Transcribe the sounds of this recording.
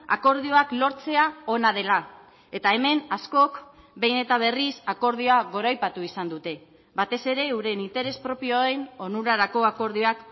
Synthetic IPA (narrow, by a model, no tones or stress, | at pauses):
a̰ko̞ɾðio̞aklo̞ɾt͡se̞ao̞nað̞e̞la | e̞t̪ae̞me̞nasko̞k | be̞jne̞t̪aβ̞e̞risako̞ɾð̞ioaɣo̞ɾajpat̪uisand̪ut̪e̞ | βat̪e̞se̞ɾe̞uɾe̞nint̪e̞ɾe̞spɾo̞pioe̞no̞nuɾaɾako̞ako̞ɾðioak